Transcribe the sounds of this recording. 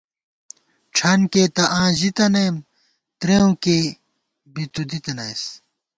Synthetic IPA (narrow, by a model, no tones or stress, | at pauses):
ʈ͡ʂʰɐnkeːt̪ɐʔãːʑit̪ɐnem | t̪ɾeũke | bit̪ud̪it̪ɐnɐjs